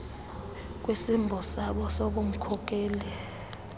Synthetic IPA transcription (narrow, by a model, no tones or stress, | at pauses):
k̬ʼwesimbʱɔsaɓɔsoɓom̩kʰɔk̬ʼɛːlɛ